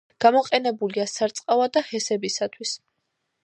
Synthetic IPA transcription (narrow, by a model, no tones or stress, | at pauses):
ɡ̥amɔqʼɛnɛbuliasaɾt̪sʼqʼavad̪ahɛsɛbisat̪ʰwis